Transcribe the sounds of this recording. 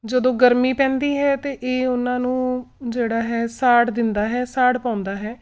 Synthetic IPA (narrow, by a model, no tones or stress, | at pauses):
d͡ʒəd̪õːɡəɾmiːpɛ̃ːnd̪iːɦɛːt̪eːʔeːʊnãːnũːd͡ʒeːɽaːɦɛːsaːɽd̪ɪnd̪aːɦɛːsaːɽpãːʊ̃nd̪aːɦɛː